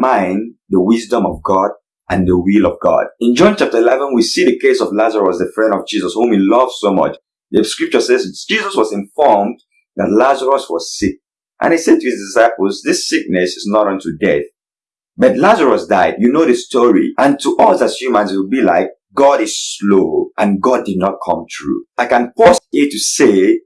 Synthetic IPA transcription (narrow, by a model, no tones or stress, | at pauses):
mãɪ̃nðəwɪzdə̃mɔvɡɔd | ʔə̃nðəwilˠɔvɡɔ̰dɪ̃nd͡ʒɔ̃nt͡ʃap̚tə˞ɪlɛvə̃nwisiðəkeɪsɔvlazəɹəsðəfɹɛ̃ndɔvd͡ʒizəshũmhilʌvz̥somʌ̰t͡ʃ | ðəskɹɪp̚t͡ʃə˞sɛzd͡ʒizʌswɔzɪ̃nfɔɹmd | ða̰tlazəɹəswɔz̥sik̚ | ʔə̰̃nhisɛd̚tʰuizdɪsaɪpəl̩ˠzðɪsɪk̚nɛsɪznɔɾɔ̃ntudɛ̰θ | bʌtlazəɹɔsdaɪdjunoðɨstʰɔɹḭə̃ntʰuʔɔzasjumə̃nsɪwɪlbila̰ɪk̚ | ɡ̥ɔɾɪz̥sloʔə̃nɡɔd̚ɨdⁿnɔt̚kʰʌ̰̃mθɹṵʔaɪkãnpɔstituse